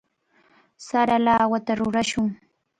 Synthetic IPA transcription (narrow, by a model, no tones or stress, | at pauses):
saɾalaːwat̪aɾʊɾaʃʊŋ